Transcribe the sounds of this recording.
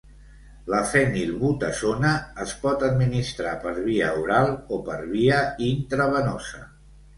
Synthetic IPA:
ləfɛnilβut̪əsonəːspɔt̪əd̪minist̪ɾapəɾβiəuɾalˠopəɾβiəint̪ɾəβənɔsə

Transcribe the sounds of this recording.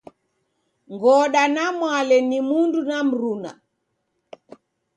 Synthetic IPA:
ŋɡɔɗanamwalɛnimundunam̩ɾuna̰

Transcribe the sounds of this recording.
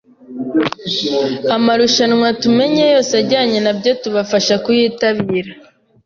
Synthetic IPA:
amaɾuʃanŋwatume̞ɲe̞jo̞ːsaɾɟaːɲe̞nabɟo̞tuβafaʃakujiːtaβiːɾa

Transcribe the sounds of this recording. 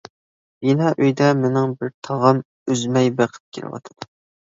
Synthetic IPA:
jinɛʔøjd̪ɛmenɪŋbɪɾt̪ʰɑʁɑm | yzmɛjbæqʰə̥t̪̚kʲʰelɪ̰wɑ̰t̪ʰɨd̪̥u

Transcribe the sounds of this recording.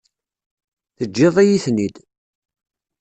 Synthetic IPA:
θəd͡ʒːɪðˤæjiθnid̪

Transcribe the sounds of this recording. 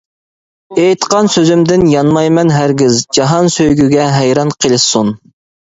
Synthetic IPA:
ejt̪qɑnsøzymd̪ɪnjɑnmɑjmɛnɦæɾɡʲɪzd͡ʒɑɦɑnsøjɡʲyɡʲɛɦɛjɾɑnqʰəlˠɨsun

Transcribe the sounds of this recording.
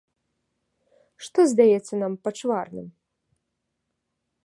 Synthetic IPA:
ʂt̪ɔzd̪ajɛt̪sːɐnampɐt͡ʂvarnɨ̰m

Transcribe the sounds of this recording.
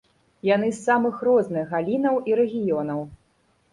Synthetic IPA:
janɨsːamɨxrɔznɨɣɣːalʲinɐwʔiɾɛɣʲijɔnɐw

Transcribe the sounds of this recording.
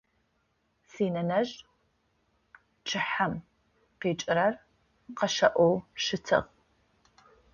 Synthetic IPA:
siːnɐnɐʒ | t͡ʃʰʼɪħam | qeːt͡ʃʼɪɾɐr | qɐʃɐʔʷɔwʃɨtʰɨ̰ʁ

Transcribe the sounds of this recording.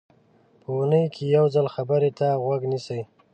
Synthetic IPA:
pəwunəjkʰejawzalxabəɾet̪aɣwaɡnisəj

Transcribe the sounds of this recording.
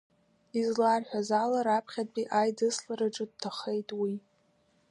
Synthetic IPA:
izlarħʷᶣazalaɾapʰχʲat̚ʼbʼiʔajdɨslaɾaʈ͡ʂʼɨd̚tʰaχejtʼwi

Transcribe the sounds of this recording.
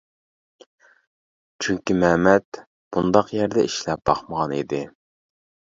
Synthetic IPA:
t͡ʃʰyŋkʲimɛmɛt̪ | b̥und̪ɑqjæɾd̪ɛiʃlɛp̚b̥ɑχməʁɑnḭd̪ɪ

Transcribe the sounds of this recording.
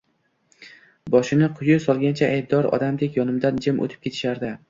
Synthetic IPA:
bɒʃɪnɪqʰʊjʊsɒlˠɡʲant͡ʃʰaːjb̚d̪ɒɾɒ̰d̪amd̪ekʲjɒnɪmd̪and͡ʒɪmʔo̰t̪ʰɪ̥p̚kʰʲe̞t̪ʰɪ̥ʃaɾd̪ɪ

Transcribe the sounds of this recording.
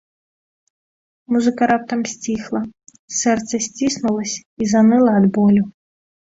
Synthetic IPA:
muzɨkɐɾap̚t̪ɐmsʲt͡sʲixlˠɐ | sɛrt̪sɐsʲt͡sʲisnulˠɐsʲizanɨlˠɐːd̪bɔlʲu

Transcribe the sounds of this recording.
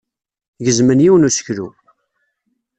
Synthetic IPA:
ʝəzmənjiwənusə̥çlṵ

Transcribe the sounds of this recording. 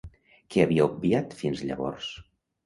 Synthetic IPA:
kɛəβiəub̚biat̪finzʎə̰βɔ̰rs

